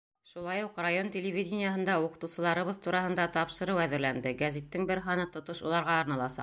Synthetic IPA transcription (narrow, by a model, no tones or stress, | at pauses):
ʃulˠɑjuqrajo̞ntʲɪlʲɪvʲidʲɪnʲɪjaɦɤ̆nd̪ɑuqɤ̆t̪ɤwsɤ̆lˠɑɾɤ̆βɤðt̪uɾɑhɤ̆nd̪ɑt̪ɑpʃɤ̆ɾɤwæðɘ̆ɾlænd̪ɘɡæzʲit̪ːɘŋbɘɾɦɑnɤt̪ŏt̪oʃulˠɑɾʁɑːɾnɑlˠɑsɑ̰